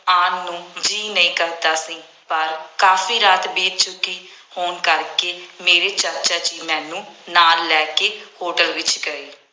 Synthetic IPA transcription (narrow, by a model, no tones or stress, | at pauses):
aːnːũːd͡ʒiːnəĩːkəɾt̪aːsĩː | pəɾkaːfiːɾaːt̪beːt̪t͡ʃʊkiː | hoːnkəɾkeːmeːɾeːt͡ʃəɾt͡ʃaːt͡ʃiːmɛ̃ːnũːnaːlːɛːkeːhoːʈəlʋɪt͡ʃkəɾiː